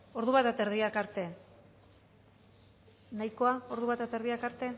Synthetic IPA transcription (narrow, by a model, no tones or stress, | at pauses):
o̞ɾðuβat̪at̪eɾðiakaɾt̪e̞ | najko̞ao̞ɾðuβat̪at̪eɾðiakaɾt̪e̞